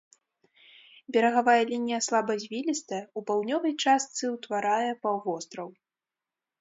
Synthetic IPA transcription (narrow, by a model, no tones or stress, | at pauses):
bʲɛɾɐɣavajɐlʲinʲijɐslˠabɐzʲvʲilʲist̪ɐupawd̪nʲɔvɐjt͡ʂast̪sɨwt̪vaɾajɛpawvɔst̪ɾɐw